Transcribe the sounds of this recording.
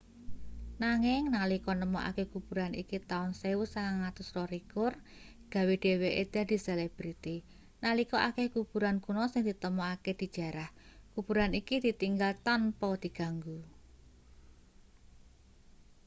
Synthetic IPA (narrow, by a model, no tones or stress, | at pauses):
naŋɪŋnalikɔnəmɔʔa̰kekub̥ṳɾanḭkit̪aʊnsewusaŋaŋat̪ʊsrɔɾikʊr | ɡ̥ä̤weɖ̥e̤weʔed̪̥a̤d̪̥i̤seleb̥ɾit̪i | nalikɔʔakehkub̥ṳɾankunɔsɪŋd̪̥i̤t̪əmɔaked̪̥i̤̥ʒ̥a̤ɾahkub̥ṳɾanikid̪̥i̤t̪iŋɡalt̪anpɔd̪̥i̤ɡ̥a̤ŋɡu